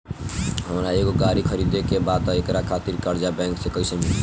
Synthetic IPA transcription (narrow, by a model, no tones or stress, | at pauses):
ɦəmɾaeɡoɡaɾikʰəɾid̪ekebad̪ekɾakʰat̪iɾkəɾd͡ʒabɛ̃ŋksekəɪsemil